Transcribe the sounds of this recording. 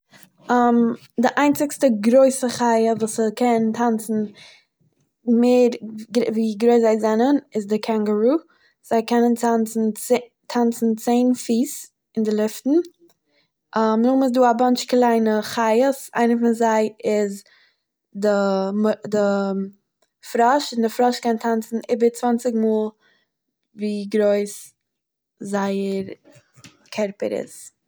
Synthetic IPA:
am | dɪʔaɪnt͡sɪkstəɡɾoɪsəχaɪəvuːsəkʰɛntʰant͡sn̩ | meːɾɡviːɡɾoɪszaɪzɛnənɪzdɪkʰaŋɡəɾuː | z̥aɪkɛnəntant͡sn̩ | tʰant͡sn̩t͡seɪnfiːs | ɪndɪlˠɪftn̩ | ʔamnʊχmʊs̬duːabant͡ʃklˠaɪnəχaɪəsa̰ɪnəfɪnzaɪɪz | dɪmdɪ | fɾɔʃɪndɪfɾɔʃkɛntʰant͡sn̩ʔɪbəɾt͡svant͡sɪɡmuːlˠ | viːɡɾoɪs | zaɪəɾ | kʰɛɾpə̰ɾɪ̰s

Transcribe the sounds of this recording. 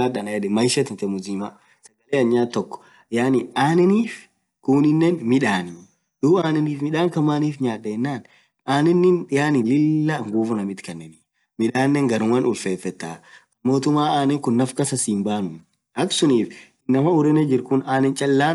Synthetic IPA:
aːɗɐnɐɛᶑ̪ɪmɐjʃɐt̪ɪnt̪ɛmʊziːma | sɐɡɐleːɐɲːaːt̪ːɔkːɔ̥ | jaːnɪaːnɛniːf | kʊːnɪnːɛnmɪᶑaːni | duːaːnɛniːfmɪᶑaːŋkɐmːaːniːfɲaːᶑːɐɛnːaːn | aːnɛnːɪnɪjaːnɪlɪlːaŋɡuːfʊnɐmɪt̪kɐnːɛni | mɪᶑaːnːɛŋɡɐɾʊŋwɐnʊlfeːfːɛt̪ːaːɐmːo̞ːt̪ʊmːaːaːnɛŋkʊnːɐfkɐsɐsiːmbaːnʊ | ɐksʊniːfɪnːɐmɐʊɾɛnɛd͡ʒɪɾkʊnaːnɛnt͡ʃʼɐlːaːn

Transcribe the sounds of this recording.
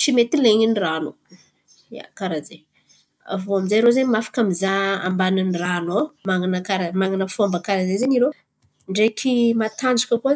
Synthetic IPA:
t͡ʃimet̪ileɲiniranu | ja̰kaɾaze | a̰vuamizaɾozeɲimafḁkamizaa̰mbaninranamaŋanəkaɾamaŋɡanəfuambəkaɾazezeɲiɾe | ɳɖ͡ʐekʲʰimat̪and͡ʒukʲəku

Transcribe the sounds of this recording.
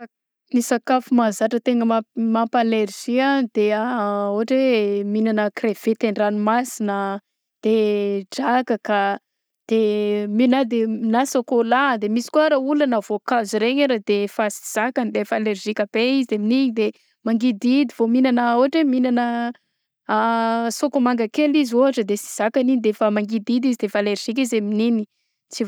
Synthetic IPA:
nisakafumazaʈ͡ʂət̪eŋɡəmamampalerʒ̥ianid̪̥eaoɦaʈ͡ʂweminanəkrev̥et̪eɳɖ͡ʐanimasinə | d̪̥eɖ͡ʐakəka | d̪̥eminad̪eminasokolad̪emisi̥kuaɾaulanəv̥okaziɾeɲeɾad̪efasi̥z̥akanid̪efaleɾʒikʲab̥eizid̪eminiɲid̪e | maŋɡid̪id̪ivominanəuɦaʈ͡ʂeminanə | sokomaŋɡakelizuɦaʈ͡ʂəd̪esi̥z̥akaninid̪efəmaŋɡid̪id̪izid̪efaleɾʒ̥ik̬ʲizeminini | t͡si

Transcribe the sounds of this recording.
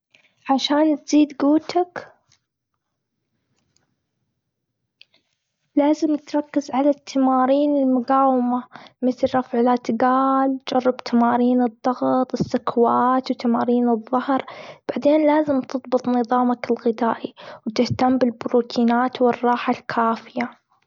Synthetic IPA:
ʕaʃaːnt̪z̥iːd̪ɡuːt̪ak | laːzɪmɪt̪ɾˤɑkːɪzʕalat̪ʰːamaːɾiːnɪlmʊɡaːwɪmamɪt̪lɾˤɑfʕɪlat̪ɡaːld͡ʒɑrˤːɪbt̪ʰamaːɾiːnɨd̪ˤːɑɣt̪ˤɪsːʊkwaːt̪wt̪amaːɾiːnɨðˤːɑhɾb̥aʕd̪eːnlaːzɪmt̪ɨðˤbɨt̪ˤnɨðˤɑːmakɪlɣɪd̪aːʔiwt̪ɪht̪ambɪlbʊɾuːt̪ʰiːnaːt̪wɪrˤːɑːħalkʰaːfɪja

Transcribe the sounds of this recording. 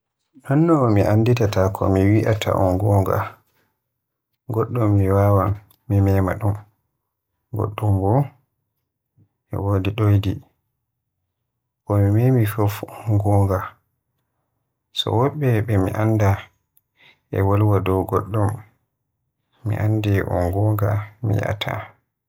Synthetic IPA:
nanːɔmiʔanditatakʰɔ̰miwiʔatʰa̰ʔɔnɡɔŋɡa̰ | ɡɔɗːɔmːiwawamː | imɛma̰ɗum | ɡɔ̰ɗːɔmbɔ | ʔɛ̰wodiɗojdi | ʔɔmimemifofɔnɡɔŋɡa | sɔ̰wɔɓɛɓɛmiʔanːda | ʔɛ̰walwadɔwɡɔɗːɔm | ḭʔandɛʔɔ̰nɡɔŋɡamḭja̰tʰa̰

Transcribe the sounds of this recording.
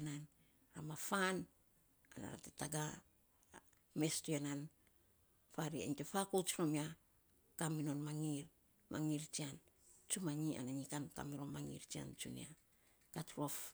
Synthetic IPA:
nan | ɾamafan | ana̰ɾa̰tetaɡa | me̞stuanan | faɾia̰ntefakot͡ʃɾomia | kamino̞nmaŋiɾ | mʔa̰ŋiɾt͡ʃian | t͡ʃumaɲia̰naɲikanka̰miɾo̞nmaŋḭɾt͡ʃia̰nt͡ʃṵnḭa | katɾuaf

